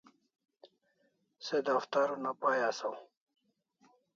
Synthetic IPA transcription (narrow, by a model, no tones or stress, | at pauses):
sed̪aft̪aɾunapajasaw